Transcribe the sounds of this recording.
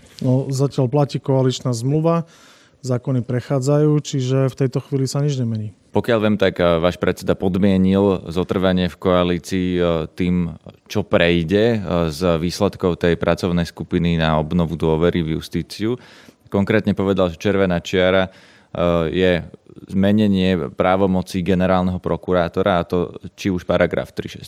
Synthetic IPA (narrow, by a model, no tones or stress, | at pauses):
nɔzacɪalplaciːkɔalit͡ʃnazmluʋa | zaːkɔnipɾɛxaːd͡zajuːt͡ʃiʒɛft̪ɛjt̪ɔxʋiːlisaɲid͡ʒɲɛmɛɲiːpɔkɪaʎʋɛːmt̪akʋaːʃpɾɛt̪t͡sɛd̪apɔd̪mɪɛɲilzɔt̪r̩ʋaɲɪɛfkɔaliːt͡siːt̪iːmt͡ʃɔpɾɛjɟɛzʋiːslɛt̪kɔʊt̪ɛjpɾʔat͡sɔʊnɛjskupininaɔbnɔʋud̪ʊɔʋɛɾivjṵst̪iːt͡siukɔŋkɾɛːt̪ɲɛpɔʋɛd̪alʒɛt͡ʃɛɾʋɛnat͡ʃɪaɾa | jɛzmɛɲɛɲɪɛpɾaːʋɔmɔt͡siːɡɛnɛɾaːlnɛɦɔpɾɔkuɾaːt̪ɔɾaat̪ɔt͡ʃiuʃpaɾaɡɾa̰ːft̪ɾḭʃɛ̰s